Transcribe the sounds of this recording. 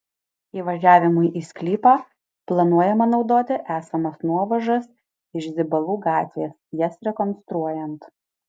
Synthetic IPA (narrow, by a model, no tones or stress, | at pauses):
iːʋɐʒʲæːʋʲɪmʊɪʔiːsʲklʲiːpɑː | plˠɐnuɔjɛmɐnɒʊd̪oːt̪ʲɪʔæːsɐmɐsnuɔʋɐʒɐs | ɪʃzʲɪbɐlˠuːɡɑːt̪ʲʋʲeːsjɛsɾʲɛkɔnst̪ɾuɔjɛnt̪